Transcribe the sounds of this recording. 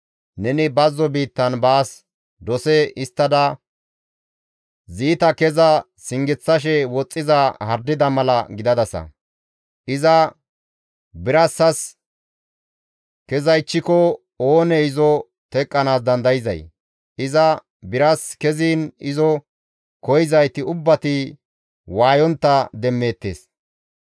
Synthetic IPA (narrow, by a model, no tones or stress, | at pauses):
nɛnɪbɐzːɔbiːt̪ːɐnbaːs | d̪ɔsɛɪst̪ːɐd̪ɐ | ziːt̪ɐkɛzɐ | sɪŋɡɪt͡sːɐʃ̬ɛwɔt͡sʼːɪzɐhɐɾd̪ɪd̪ɐmɐlɐɡɪd̪ɐd̪ɐsɐ̰ | ʔɪzɐ | bɪɾɐsːɐs | kɛzɐjt͡ʃːɪkɔ | oːnɛɪzɔ | t̪ɛkʼːɐnaːs̬d̪ɐnd̪ɐjɪzɐ̰j | ɪzɐ | bɪɾɐskɛziːnɪzɔ | kɔjɪzɐjt̪ɪʊbːɐt̪ɪ | waːjɔnt̪ːɐd̪ɛmːe̞ːt̪ːeːs